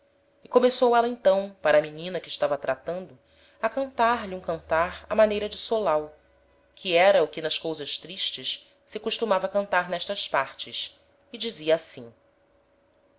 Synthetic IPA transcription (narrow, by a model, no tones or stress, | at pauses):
ɪkomesowɛlɐẽnt̪ɐ̃w̃paɾɐːminĩnɐkɪʃt̪avɐt̪ɾat̪ɐ̃nd̪ʊ | ɐkɐ̃nt̪aɾliũkɐ̃nt̪aɾɐ̰manejɾɐd͡ʒɪsolaw | kʰiɛɾɐʊkɪnɐʃkowzɐʃt̪ɾiʃt͡ʃɪʃ | sɪkuʃt̪umavɐkɐ̃nt̪aɾnɛʃt̪ɐʃpaɾt͡ʃɪs | ɪd͡ʒiziɐːsĩ